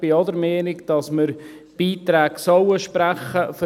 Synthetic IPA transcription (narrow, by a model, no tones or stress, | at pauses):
b̥ɪɔdəɾmɛːnɪkd̥ɑsməɾ | b̥iːt̪ɾæːɡsɔwəʃpɾæχəfə